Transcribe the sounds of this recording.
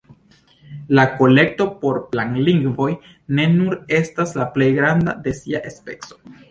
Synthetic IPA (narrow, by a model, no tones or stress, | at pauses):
lako̞le̞k̚to̞po̞ɾplaŋliŋɡvo̞j | ne̞nuɾe̞staslaple̞jɡɾanda̰de̞siaʔespe̞̰kso̞̥